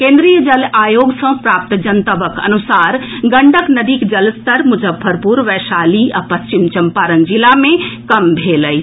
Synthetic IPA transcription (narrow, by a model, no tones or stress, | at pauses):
kẽnd̪ɾijəd͡ʒəlajoɡsə̃pɾap̚t̪d͡ʒənt̪əʋəkə̰nusaːɾɡəɳɖəknəd̪ikd͡ʒəlst̪əɾmũd͡ʒʱəbːʱəɾpuɾʋɛʃaliaːpɐst͡ʃimt͡ʃɐmpaɾənd͡ʒilamẽkəmbʱeləj